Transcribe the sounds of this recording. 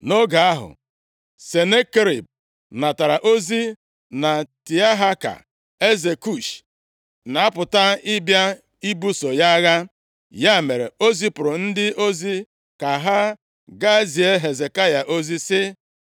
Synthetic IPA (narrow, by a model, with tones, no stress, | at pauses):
no˦ɡa˨a˦ɦʊ̰˨ | se˨ne˦ke˦ɾḭ˨b̚ | na˨ta˨ɾa˨ʔo˦zi˦ | na˨ti˨a˦ɦa˦ka̰˨ | e˦ze˨ku˦˨ʃ | na˨a˦pʊ˨ta˦ɪ˦bja˦ | i˦bu˦so˨ja˦ɣa˦ | ja˦˨me˨ɾḛ˨o˦zi˦pʊ˨ɾʊ˨n̩˦dɪ˦ʔo˦zi˦ | ka˨ɦa˦ | ɡa˦zi˨e˦ɦe˨ze˨ka˦ja˨ʔo˦zi˦sɪ˦